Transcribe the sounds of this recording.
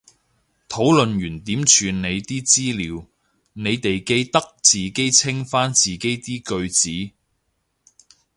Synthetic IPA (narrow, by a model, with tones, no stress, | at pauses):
t̪ʰo˨˥wlɵ˨nɥyː˨˩nt̪iː˨˥mt͡ʃʰyː˨˧nne˨˧jt̪iː˥t͡siː˥liː˨˧˥w | ne˨˧jt̪e˨jke˧jt̪ɐ˥k̚t͡siː˨ke˥jt͡sʰɪ˥ŋfaː˥nt͡siː˨˩ke˨˥jt̪iː˥kɵ˧ɥt͡siː˨˥